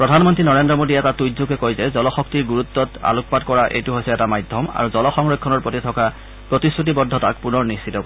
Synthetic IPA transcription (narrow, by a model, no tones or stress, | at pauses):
pɹɔdʱanmɔntɹinɔɹendɹɔmodiɛtatujzukɛkojzɛzɔlɔxɔk̚tiɹɡuɹut̪ːɔta̰luk̚patkɔɹaʔḛjtuɦojsɛɛtamajdʱɔma̰ɹuzɔlɔxɔŋɹɔjkʰːɔnɔɹpɹotitʰɔka | pɹotisɹut̬ibɔdʱːɔtak̚punɔɹnistʰitɔko